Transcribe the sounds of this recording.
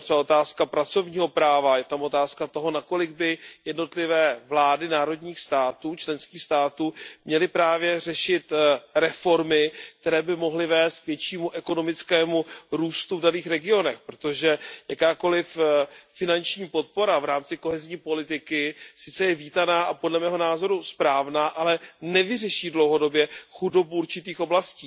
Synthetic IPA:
t̪rɛaot̪aːskapɾat͡so̞vɲiːɦo̞pɾaːvajɛt̪amo̞t̪aːskat̪o̞ɦo̞nako̞lɪɡ̚bɪjɛdno̞t̪lɪvɛːvlaːdɪnaːɾo̞dɲiːxst̪aːt̪uːt͡ʃlɛnskiːxst̪aːt̪uːmɲɛlɪpɾaːvjɛr̝ɛʃɪt̪ɾɛfo̞ɾmɪk̚t̪ɛɾɛːbɪmo̞ɦlɪvɛːst̪̚kvjɛt͡ʃiːmuʔɛko̞no̞mɪt͡skɛːmuɾuːst̪uvdaniːxɾɛɡɪo̞nɛxpɾo̞t̪o̞ʒɛjakaːko̞lɪfːɪnant͡ʃɲiːpo̞t̪̚po̞ɾavɾaːmt͡sɪko̞ɦɛzɲiːpo̞lɪt̪ɪkɪsɪt͡sɛjɛviːt̪anaːʔapo̞dlɛmɛːɦo̞naːzo̞ɾuspɾaːvnaːʔalɛnɛvɪrɛʃiːdlo̞wɦo̞do̞bjɛxudo̞buuɾt͡ʃɪt̪iːxo̞blasciː

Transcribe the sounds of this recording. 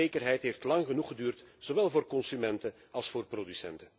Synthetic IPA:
eːkərɦɛjtɦeːftlɑŋɣənuχədyːrtz̥owɛlˠvoːrkɔnsymɛntən | ɑlˠsfoːrprodysɛ̰ntə

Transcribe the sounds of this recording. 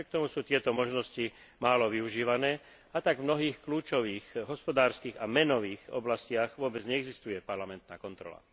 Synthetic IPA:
ikt̪ɔmusuːt̪ɪɛt̪ɔmɔʒnɔsci | maːlɔʋiuʒiːʋanɛː | at̪aɡvmnɔɦiːxkluːt͡ʃɔʋiːxɦɔspɔd̪aːɾskiːɣamɛnɔʋiːxɔ̰blascɪaɣʋʊɔbɛd͡zɲɛɛɡzist̪ujɛpaɾlamɛnt̪naːkɔnt̪ɾɔ̰la̰

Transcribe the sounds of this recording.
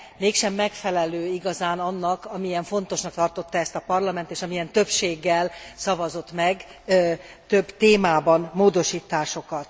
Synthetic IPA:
meːkʃɛmːɛkfɛlɛløːiɡɒzaːnɒnːɒkɒmijɛɱfo̞nt̪o̞ʃnɒk̚t̪ɒrt̪o̞t̪ːɒɛst̪ɒpɒrlɒmɛnt̪eːʃɒmijɛnt̪ø̞pʃeːɡːɛlsɒvɒzo̞t̪mɛɡ | t̪ø̞bt̪eːmaːbɒnmoːd̪o̞ʃiːt̪aːʃo̞kɒt̪

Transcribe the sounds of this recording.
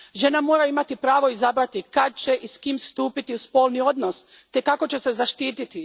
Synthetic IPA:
ʒe̞namo̞ːɾaimat̪ipɾaːʋo̞izabɾat̪ikad̪̚t͡ɕe̞ʔiskiːmst̪uːpit̪iuspo̞ːlˠnio̞d̪nos | t̪e̞kako̞t͡ɕe̞sezaʃt̪iːt̪it̪i

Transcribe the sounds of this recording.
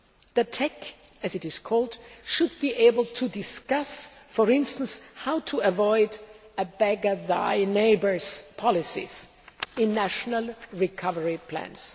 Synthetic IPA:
ðɨtʰɛk | ɨzɨɾɨz̥kʰɔlˠdʃʊd̚biʔeɪbl̩ˠtʰudɪskʌsfə˞ɪ̃nstə̃n̩shaʊtʰuəvɔɪd | əbɛɡəða̰ɪneɪbə˞z̥pʰɑlɪsḭz̥ | ɪ̃nːæʃnəl̩ˠɹikʰʌvə˞ipʰl̥æ̰̃ns

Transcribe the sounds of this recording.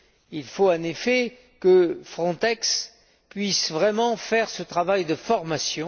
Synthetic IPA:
ilfoɑ̃nefɛ | kəfχɔ̃t̪ɛks | pɥisvʁɛmɑ̃fɛʁsət̪χavajd̪əfɔʁmasjɔ̃

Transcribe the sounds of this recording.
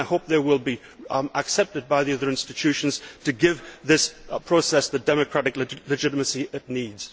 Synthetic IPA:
ɪhoʊp̚ðə˞wɪlˠbi | əksɛp̚tɨd̚baɪðiʌðə˞ɪ̃nstɨt͡ʃʰʉʃə̃nz̥tʰɨɡɪvðɪspʰɹ̥oʊsɛsðədɛmɨkʰɹ̥aɾɨkllɨd͡ʒɪɾəməsiɪtⁿnidz̥

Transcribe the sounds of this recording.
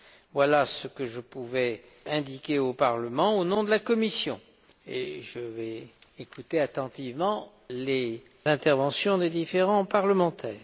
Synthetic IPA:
vwalasəkəʒəpuvɛ | ɛ̃d̪ikʲeopaʁləmɑ̃onɔ̃d̪əlakɔmisjɔ̃ | ḛʒəvɛekut̪eat̪ɑ̃t̪ivmɑ̃ | le | zɛ̃t̪ɛʁvɑ̃sjɔ̃d̪ed̪ifeʁɑ̃paʁləmɑ̃t̪ʰɛːʁ

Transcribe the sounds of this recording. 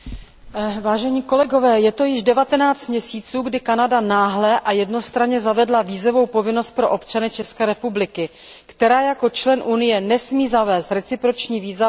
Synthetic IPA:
vaːʒɛɲiːko̞lɛɡo̞vɛːjɛt̪o̞jɪʒdɛvat̪ɛnaːt͡st̪mɲɛsiːt͡suːɡdɪkanadanaːɦlɛʔajɛdno̞st̪ɾaɲɛzavɛdlaviːzovo̞wpo̞vɪno̞st̪̚pɾo̞ʔo̞pt͡ʃanɪt͡ʃɛskɛːɾɛpublɪkɪ | kt̪ɛɾaːjako̞t͡ʃlɛnʔunɪjɛnɛsmiːzavɛːst̪ɾɛt͡sɪpɾot͡ʃɲiːviːza

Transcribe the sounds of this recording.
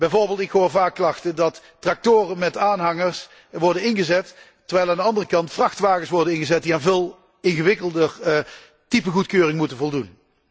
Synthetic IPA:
b̥ɛjvoːɹbɪːlˠtɪkxɦoːɹvaːkːlɑxtədɑtː | rɑk̚toːrənmɛtaːnɦɑŋəɹs | ʋɔɹdənɪnɣəzɛtː | ərɹʋɛjlaːndəɑndərəkɑntfrɑxtʋaːɣəsʋɔɹdənɪnɣəzɛt̚diaːnvɪːlˠ | ɪnɣəʋɪkəlˠdər | tipəɣutkøːrɪŋmutənvɔlˠdun

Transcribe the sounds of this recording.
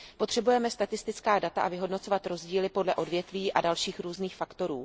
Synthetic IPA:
po̞t̪r̥ɛbujɛmɛst̪at̪ɪst̪ɪt͡skaːdat̪aʔavɪɦo̞dno̞t͡so̞vat̪ɾo̞zɟiːlɪpo̞dlɛʔo̞dvjɛt̪viːʔadalʃiːxɾuːzniːxfakt̪o̞ɾuː

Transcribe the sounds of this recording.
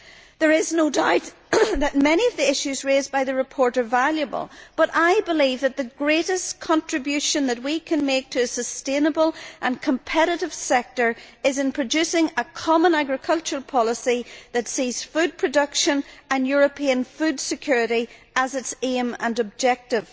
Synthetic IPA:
ðə˞ɪznodaʊt̪̚ðət̚mɛñiʌvðiɪʃʉzɹezbaɪðɨɹɨpʰɔɹɾə˞valˠjəbə̰lˠb̥ʌɾaɪbɪlivðət̪̚ðɨɡɹeɾɨskʰɑ̃ntɹ̥ɨbjʉʃə̃nðət̬̚wikʰɨ̃nmek̚tʰɨsəstẽnəbəlˠʔə̃nkʰə̃mpʰɛɾɨɾɨv̥sɛk̚tə˞ɪzɨ̃npʰɹ̥ɨd͡ʒʉsɪ̃ŋəkʰɑmə̃naɡɹɨkʰʌlˠt͡ʃəɹəlˠpʰɑlˠəsiðɨtsiz̥fʉd̚pʰɹ̥ɨdʌkʃə̃nə̃njʊɹɨpʰiə̃nfʉdsɨkʰj̥ʊɹɨɾi | əzɨtsẽmə̰̃nəb̚d͡ʒɛk̚tɪv̥

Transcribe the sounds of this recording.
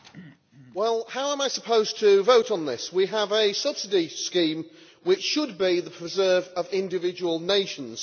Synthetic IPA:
wɛlˠhaʊə̃maɪsəpʰoʊz̥tʰəvoʊtn̩ðɪswiəvəsʌb̥sɪdiskĩːm | wɪt͡ʃʃəd̚biðəpʰɹ̥ɪzɜːvəvɪ̃ndɪvɪd͡ʒəwəlˠneɪʃə̃nz̥

